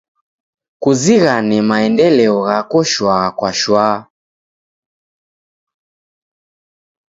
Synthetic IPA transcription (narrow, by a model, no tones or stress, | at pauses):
kuziɣanɛmaɛndɛlɛɔɣakɔʃwakwaʃwaː